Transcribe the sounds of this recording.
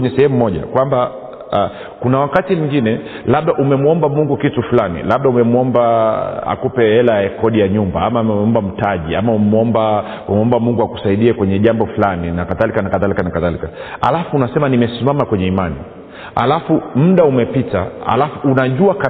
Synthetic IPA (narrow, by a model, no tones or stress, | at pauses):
ɲɛsɛhɛmumɔʄa̰kwamba | kunawakatimiŋɡinɛ | laɓ̚ɗaʔumɛmuɔmbamuŋɡukitufulanḭlaɓ̚ɗaumɛmɔmbaa̰kupɛɛlajakɔɗijaɲumbaamamɛɔmbam̩taʄiamaumɛmuɔmba | mɛmɔmbamuŋɡuaku̥saiɗiɛkwɛɲɛʄambɔfulaninakaðalikanakaðalikanakaðalikaha̰lafuːnasɛmanimɛsimamakwɛɲɛimani | ha̰lafum̩ɗaumɛpitaha̰lafuʔːnaʄuaka